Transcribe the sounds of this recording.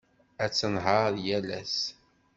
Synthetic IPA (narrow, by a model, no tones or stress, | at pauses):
æt͡sːənɦəɾjælæ̰s